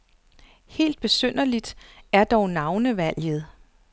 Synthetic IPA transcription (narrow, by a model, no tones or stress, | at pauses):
he̝̰ːld̥̚b̥e̝søn̰ɐlid̥æɐd̥ɒʊnɑ̈ʊnəʋæl̰jð̞̩ˠ